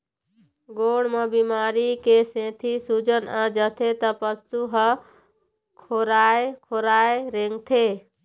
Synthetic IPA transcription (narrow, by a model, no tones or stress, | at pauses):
ɡoɽmebimaɾikesẽt̪ʰisud͡ʒənad͡ʒət̪ʰet̪ɔpəst̪uɦə | kʰoɾaekʰoɾaeɾeŋɡt̪ʰe